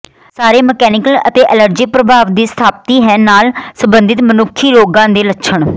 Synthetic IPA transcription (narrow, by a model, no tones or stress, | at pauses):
saːɾeːmɛkɛːnɪkələ̰t̪eːʔələɾd͡ʒiːpɾəbʱaːʋd̪iːst̪ʰaːp̚t̪iːɦɛːnaːlsəmbənd̪ɪt̪mənʊkʰːiːɾoːɡãːd̪eːlətːʃʰəɳ